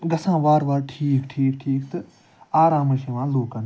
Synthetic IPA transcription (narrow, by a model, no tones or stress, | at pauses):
ɡɐsãːʋaːɾʋaːɾʈʰiːkʈʰiːkʈʰiːkt̪ɨ | aːɾãːmɐʃeʋãːloːkɐn